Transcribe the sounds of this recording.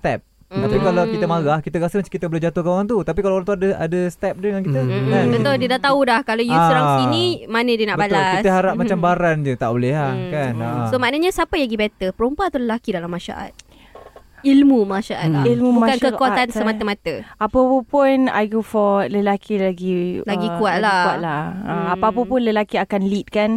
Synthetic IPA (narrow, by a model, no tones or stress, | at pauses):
st̪ɛp̚ | t̪apikalawkit̪əmaɣahkit̪əɾasəmat͡ʃamkit̪əbəlehd͡ʒat̪ohkəŋant̪ut̪apikalaɾaŋt̪uadəa̰dəst̪ɛp̚dəŋankit̪əkanbəoldiədaht̪audahkalojusoɾaŋsinimanədiənaʔbəbalʊlkist̪əɦaɾap̚mat͡ʃambaɾand͡ʒət̪a̰ʔbolɛhahkansomaʔnaɲə̃sapajaɡibɛt̪əpəɾumpat̪uləlakidalamːaʃa̰ʔa̰t̪̚ | ilmũmaʃaʔat̪̚ilmubumakankəkaanssəmat̪əmat̪əapəpəpʊna̰ɡufɔləlakʰilaɡilaɡikuat̪lakuaʔ̪̚laəapaap̬əpʊnləlakiakanlit̪̚kan